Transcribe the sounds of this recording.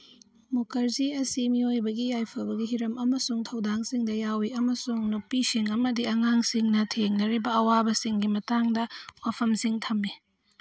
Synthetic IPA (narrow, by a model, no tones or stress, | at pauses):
mukɐɾziɐsimiojbɐɡijajpʰɐbɐɡiɦiɾɐmʔɐmɐsuŋtʰɐwdaŋsiŋdɐjawiɐmɐsuŋnupisiŋɐmɐdiɐŋaŋsiŋnɐtʰeŋnɐɾibɐɐwabɐsiŋɡimɐtaŋdɐwapʰɐmsiŋtʰɐmːi